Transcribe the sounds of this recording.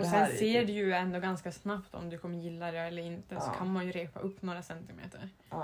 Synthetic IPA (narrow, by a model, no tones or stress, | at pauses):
ɔsɛnseːɖʉjɵɛnd̪oːɡanskasnapt̪ɔ̰md̪ɵkʰɔmːəɾjɪlːad̪ɛɛlːəɾɪnt̪əsɔkʰanmanjɵɾeːpa̰ʔɵpːnoːɾasɛnt̪ɪmḛːt̪ʰə̰ɾ